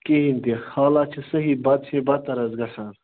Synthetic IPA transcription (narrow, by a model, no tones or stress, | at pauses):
keɦint̪ihaːlaːt͡ʃʰɐsɐɦibɐd̪̚t͡ʃʰẽbɐt̪ɐɾɐzɡɐʂaːn